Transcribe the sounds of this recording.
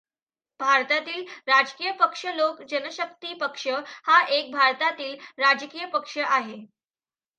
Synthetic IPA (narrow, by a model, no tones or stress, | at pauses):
bʱaɾt̪at̪iːlɾad͡ʑkijəpəkʂəlokd͡ʑənəɕəkt̪iːpəkʂəhaʔek̚bʱaɾt̪at̪iːlɾad͡ʑkiːjəpəkʂəʔaɦe